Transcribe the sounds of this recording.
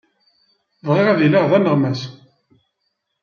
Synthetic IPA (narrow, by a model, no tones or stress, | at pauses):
vʁɪʁæðilaʁðænəʁmæs